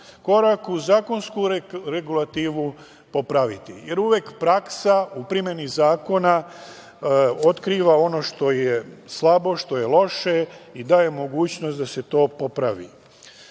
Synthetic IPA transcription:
ko̞ɾakuzaːko̞nskuɾeɡulˠat̪iːʋu | po̞pɾaʋit̪ḭje̞ɾuʋjekpɾaksaupɾimje̞nizaːko̞na | o̞t̪kɾiːʋao̞no̞ʃt̪o̞jeslˠabo̞ʃt̪o̞je̞lo̞ʃe̞id̪aːje̞mo̞ɡuːt͡ɕno̞st̪d̪ase̞t̪o̞ːpo̞pɾaʋḭ

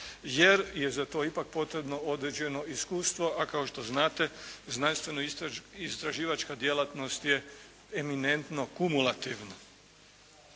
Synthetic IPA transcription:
je̞ɾjezat̪o̞ːipak̚po̞t̪ɾe̞bno̞o̞d̪ɾed͡ʑe̞no̞iskuːst̪ʋo̞ʔakao̞ʃt̪o̞znaːt̪e̞znanst̪ʋe̞noist̪ɾaʒiːʋat͡ʃkad̪je̞lat̪no̞st̪je | emine̞nt̪no̞kumulˠat̪iʋno

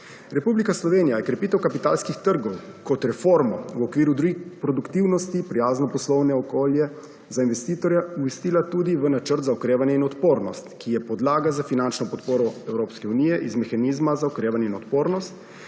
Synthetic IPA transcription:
ɾɛpublikaslɔʋeːnijajɛkɾɛpiːt̪ɛwkapit̪a̰lskixt̪əɾɡɔwkɔt̪ɾɛfoɾmɔ̰wɔkʋiːɾud̪ɾuɡixpɾɔd̪ukt̪iwnɔst̪ipɾijaːznɔpɔslɔwnɛɔkoːljɛ | zainʋɛst̪iːt̪ɔɾjauʋɛst̪iːlat̪ud̪iʋənat͡ʃəɾt̪zaɔkɾeːʋanjɛinɔt̪poːɾnɔst̪kijɛpɔd̪laːɡazafinant͡ʃnɔpɔt̪poːɾɔɛwɾoːpskɛunijɛʔizmɛxaniːzmazaɔkɾeːʋanjɛinɔt̪poːɾnɔst̪̚

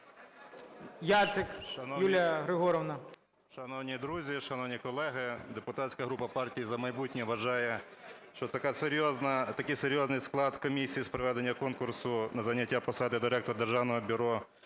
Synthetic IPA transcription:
jat̪sɪkʃɐnɔjulʲjɐɦɾɪɦɔɾɔʋnɐ | ʃɐnɔwnʲid̪ɾuzʲiʃɐnɔwnʲikɔlˠɛɦɪd̪epʊt̪atʲsʲkɐɦɾupɐpɑrtʲijizɐmɐjbutʲnʲɛʋɐʒɑjɛ | ʃt͡ʃɔt̪ɐkaseɾʲjɔznɐt̪ɐkɪjseɾʲjɔznɪjsklˠɑd̪kɔmʲisʲijispɾɔʋɛd̪e̞nʲːɐkɔnkʊrsʊnɐzɐnʲɐtʲːapɔsɑd̪ɪd̪ɪɾɛkt̪ɔɾd̪erʒɑwnɔɦɔbʲʊɾɔ

